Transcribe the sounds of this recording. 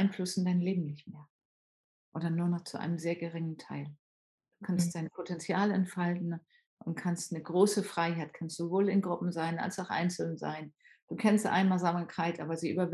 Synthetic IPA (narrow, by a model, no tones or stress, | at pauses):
aɪnflʊsn̩daɪnleːbm̩nɪçtmeːɐ | ʔoːdɐnuːɐnɔχt͡suʔa̰ɪnəmzeːɐɡəʁɪŋəntʰaɪl | d̥uːkʰanst̚d̥aɪnpʰotʰɛnt͡sjaːlɛ̰ntfaltn̩ | ʔʊntkʰanstnəɡʁoːsəfʁ̥aɪɦaɪtkʰanstz̥ovoːlɪnɡʁʊpm̩zaɪna̰lsaʊxʔa̰ɪnt͡sl̩za̰ɪn | d̥uːkʰɛnstʔa̰ɪnmazamɐkʰʁaɪtʔa̰ːbɐziːʔy̰bɐv